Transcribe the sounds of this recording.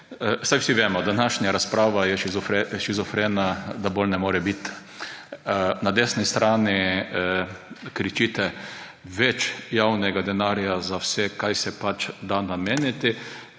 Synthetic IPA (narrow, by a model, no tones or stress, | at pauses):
sajwsiʋeːmɔd̪anaʃnaɾaspɾaːʋajɛʃizfɛʃizɔfɾenad̪abolnɛmoːɾɛbit̪ | nad̪esnist̪ɾaːnɪ | kɾit͡ʃit̪ɛ | ʋɛt͡ʃjawnɛɡad̪ɛnaɾjazawsɛkajsɛpat͡ʃd̪anameːnɪt̪ɪ